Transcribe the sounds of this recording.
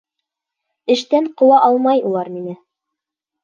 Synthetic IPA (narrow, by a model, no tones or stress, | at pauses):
ɘ̆ʃt̪æɴqŏwɑʔɑlˠmɑjulˠɑɾminɘ